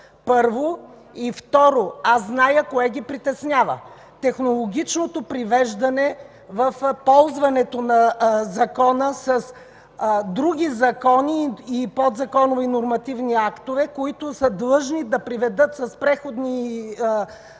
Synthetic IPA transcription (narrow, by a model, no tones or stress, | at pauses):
pɤɾvo | ift̪ɔɾoazznajəkoɛɡ̟ipɾit̪ɛsnʲjavə̰ | t̪ɛxnolˠoɡʲit͡ʃnot̪opɾivɛʒd̪ɐnɛ | vəfpɔlˠzvɐnɛt̪onɐzɐkɔnəsɐs | d̪ɾuɡʲizɐkɔniːpod̪zɐkɔnovinoɾmɐt̪ivniakt̪ovɛkoit̪ʊsəd̪lˠɤʒnid̪ɐpɾivɛd̪ɤt̪sɐspɾɛxod̪ni